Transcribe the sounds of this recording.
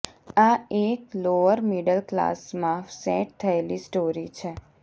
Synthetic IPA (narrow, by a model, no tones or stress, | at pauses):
aekloʋəɾmiɖəlkla̰smãfsɛʈ̚t̪ʰəelisʈoɾit͡ʃʰe